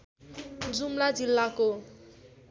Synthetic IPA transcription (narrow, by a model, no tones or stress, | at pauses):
d͡zumlad͡zilːako